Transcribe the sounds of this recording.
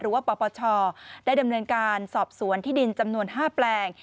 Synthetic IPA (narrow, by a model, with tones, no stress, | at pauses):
ɾɯː˩˦waː˥˩pɔː˧pɔː˧t͡ɕʰɔː˧daː˥˩jda˧mnɤː˧nkaː˧nsɔː˨˩p̚su˩˦ənt̪ʰiː˥˩di˧nt͡ɕa˧mnu˧ənɦaː˥˩plɛː˧ŋ